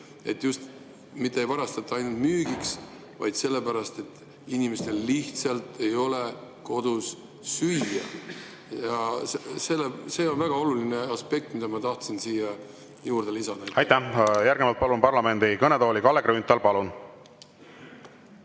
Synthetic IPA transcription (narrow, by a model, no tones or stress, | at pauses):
e̞t̪ːˑjust̪ | mit̪ːˑeejvɑɾɑst̪ɑt̪ːˑɑɑjnult̪myːɡ̥iks | vɑ̰jd̪̥se̞lːe̞pæɾɑst̪e̞t̪ːˑ | inʲimest̪e̞liht̪sɑlt̪ˑe̞jo̞le̞ko̞d̪̥usː | yjjɑ | jɑsselːese̞ːo̞nvæɡ̥ɑo̞luline̞ɑspe̞k̚t̪mid̪ɑmɑt̪ɑht̪sinsiːjɑ | juːrd̪elisɑd̪̥ɑɑjt̪æjæɾɡnemɑlt̪̚pɑlunpɑrlɑme̞nd̪ikɤned̪oːlʲikɑlːeɡɾeynt̪ːˑɑlpɑlun